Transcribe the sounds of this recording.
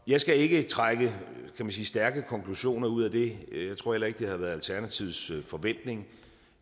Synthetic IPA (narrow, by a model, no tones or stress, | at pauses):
jɑ̈ɪsɡ̥æe̝ɡ̥ət͡sʰʁaɡ̥əkʰæmænsiːsd̥æɐɡ̥əkʰɒ̽ŋkʰluɕo̝̰ːnɐuð̞̰ˠæd̥e̝jɑ̈ɪt͡sʰʁo̝ɐ̰elɐe̝ɡ̥əd̥ehɑʋæɐð̩ˠælt͡sʰæɐnæt͡sʰiʊsfɒ̽ʋen̰d̥ne̝ŋ